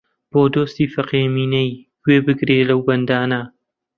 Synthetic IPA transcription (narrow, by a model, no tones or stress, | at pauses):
b̥oːd̪oːst̪iːfɐqeːmiːnɐj | wʷeːbɨɡɾeːlɐwɡɐnd̪aːna